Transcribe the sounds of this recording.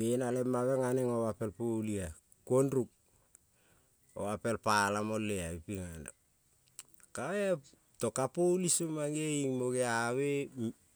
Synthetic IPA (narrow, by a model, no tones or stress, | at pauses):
menalemːaβeŋaneŋoβape̞lpolia | kuonɾuk̚ | o̰βape̞lpalamo̞lːeaipiŋana̰ | kaea | to̞kapolisomaŋeiŋmoɡeaβe